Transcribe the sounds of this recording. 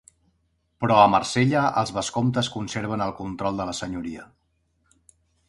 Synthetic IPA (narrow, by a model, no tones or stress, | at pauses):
pɾɔəmərseʎəə̰lˠzβəskomt̪əskunseɾβ̞ənəlˠkunt̪ɾɔlˠd̪ələsəɲuɾiə